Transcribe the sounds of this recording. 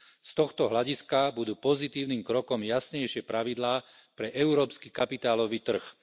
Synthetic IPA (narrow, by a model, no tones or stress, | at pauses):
st̪ɔxt̪ɔɦlaɟiskabud̪uːpɔzit̪iːʊniːmkɾɔkɔmjasɲɛjʃɪɛpɾaʋid̪laːpɾɛʔɛʊɾɔːpskikapit̪aːlɔʋit̪r̩x